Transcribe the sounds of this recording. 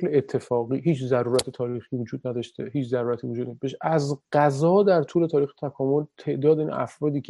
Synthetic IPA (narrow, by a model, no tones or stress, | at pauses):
leet̪ʰːe̞fɒːɣiːɦiːt͡ʃʰzæɾuːɾæt̪ʰet̪ʰɒːɾiːxiːvod͡ʒuːd̪næd̪ɒːʃt̪ʰeɦiːt͡ʃʰzæɾuːɾæt̪ʰiːvod͡ʒud̪næbeʃʔæzɢ̥æzɒːd̪æɾt̪ʰuːle̞t̪ʰɒːɾiːxe̥t̪ʰækʰɒːmo̞lt̪ʰe̞ʔd̪ɒːd̪einʔæ̰fɾɒːd̪iːcʰ